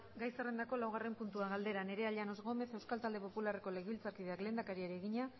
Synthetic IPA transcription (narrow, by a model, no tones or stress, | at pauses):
ɡajse̞re̞nd̪ako̞lawɣare̞mpunt̪uaɣald̪e̞ɾane̞ɾe̞aʎano̞zɣo̞me̞θe̞wskalt̪ald̪e̞po̞pulare̞ko̞leɣeilt͡saɾkiðe̞akle̞ːnd̪akaɾieɾeːɣiɲa